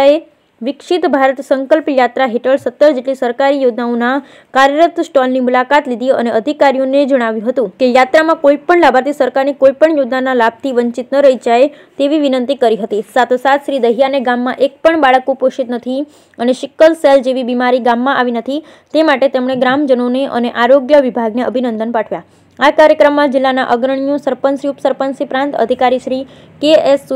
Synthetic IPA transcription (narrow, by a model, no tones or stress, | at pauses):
ae | ʋɪkʃit̪bʱaɾət̪səŋkəlpjat̪ɾaɦeʈəɭsət̪ːəɾd͡ʒeʈlisəɾkaɾijod̪naõna | kaɾjəɾət̪sʈɔlnimulakat̪lid̪ʱiə̰neʔəd̪ʱikaɾijoned͡ʒəɽ̃aʋjũɦət̪ũkejat̪ɾamãkoipəɳlabʱaɾt̪ʰisəɾkaɾnikoipəɳjod̪nanalab̚ʱt̪ʰiʋəɲt͡ʃit̪nəɾəɦid͡ʒaj | t̪eʋiʋinənt̪ikəɾiɦət̪isat̪ʰosat̪ʰʃɾid̪əɦijaneɡamːãʔek̚pəɳbaɭəkopoʃit̪nət̪ʰi | əneʃɪkːəlseld͡ʒeʋibimaɾiɡamːãʔaʋinət̪ʰi | t̪emaʈet̪emɽ̃eɡɾamd͡ʒənoneʔə̰neʔaɾoɡjəʋibʱaɡneəbʱinənd̪ənpaʈʰʋja | akaɾjəkɾəmːãd͡ʒɪlːana̰ʔəɡɾəɳ̃jũsəɾpənsɾiupsəɾpənsipɾãnt̪ə̰d̪ʱikaɾiʃɾi | kees